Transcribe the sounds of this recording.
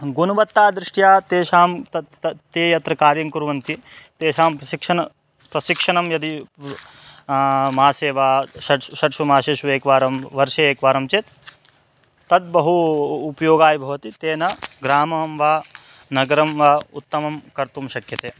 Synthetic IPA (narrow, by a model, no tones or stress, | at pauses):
ɡunuʋɐt̪ːaːd̪ɾɪʂʈjaːt̪eːʃaːmt̪ɐ | ɐt̪eːjɐt̪ɾɐkaːɾjɐŋkuɾʋɐnt̪it̪eːʃaːmpɾɐʃikʂɐnɐ | pɾɐʃikʂɐɳɐmjɐd̪i | maːseːʋaːʃɐʈʃɐʈʃumaːʃeːʃuʋeːkʋaːɾɐmʋɐɾʃɐeːkʋaːɾɐmt͡ʃeːt̪ | t̪ɐd̪̚bɐɦuːpɐjoːɡaːjibʱɐʋɐt̪it̪eːnɐɡɾaːmɐɐmʋaː | nɐɡɐɾɐmʋaːut̪ːɐmɐmkɐɾt̪umʃɐkjɐt̪eː